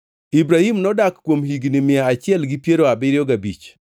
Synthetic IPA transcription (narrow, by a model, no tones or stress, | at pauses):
ibɾahimnɔdakːwomɦiɡnɪmɪaːt͡ʃɪɛlɡɪpjeɾoabɪɾɪjɔɡabḭt͡ʃ